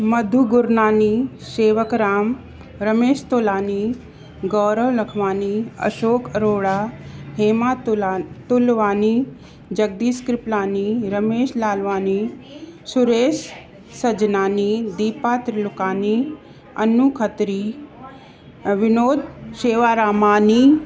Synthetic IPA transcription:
mɐd̪ʱuɡʊɾnaːniː | seːʋəkɾaːm | ɾɐmeːʃt̪oːlaːni | ɡɔːɾəʋlɐkʰʋaːniɐ̰ʃoːkɾoːɽaːɦeːmaːtt̪ulʋaːniː | d͡ʒɐɡ̚d̪iːskɾɪplaːniɾɐmeːʃlaːlʋaːniːsuɾeːʃ | sɐd͡ʒnaːnid̪iːpaːt̪ɾilʊkaːni | ɐ̰nukʰət̪ɾiː | ʋɪnoːd̪ʃeːʋaːɾaːmaːni

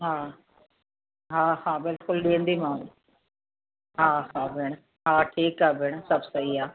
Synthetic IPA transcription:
ɦãː | ɦãːɦãːbɪlkʊlɗeːɳd̪iːmãː | ɦãːɦãːbʱɪɳ̃ | ɦãːʈʰiːkaːbʱɪɳ̃səbsəiːaː

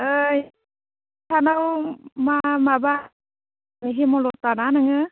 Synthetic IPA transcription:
ɯj | tʰanawmamaba | bəɦimɔlɔtananɯɦɯ

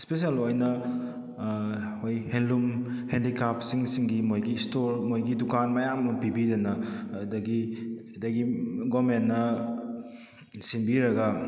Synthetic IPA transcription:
spes̬ielojnɐ | hojhenlumhendikʰap̚siŋsiŋɡimojɡistoɾmojɡidukanmɐjamːɐpibidɐnɐdɐɡi | dɐɡiɡɔmenːɐ | sinbiɾɐɡa

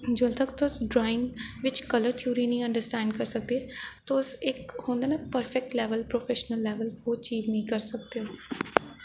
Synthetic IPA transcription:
d͡ʒoːlt̪əkt̪osɖɾaːɪ̃ŋʋɪt͡ʃkələɾt̪ʰiuːɾiːnĩːə̃ɳɖəɾsʈɛ̃ːɳɖkəɾsək̚d̪et̪oʊsɪkhoːnd̪aːnɛ̃ːpəɾfʰɛk̚ʈlɛːʋəlpɾoːfʰɛːʃənəlːɛːʋəlʋoːt͡ʃiːznĩĩːkəɾsək̚d̪eoː

